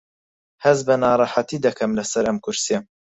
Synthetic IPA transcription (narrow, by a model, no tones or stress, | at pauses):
hɐzbɐnɑːɾˤɑħat̪iːd̪ɐkʰɐmlɐsɐɾɐmkʰʊɾsijɐ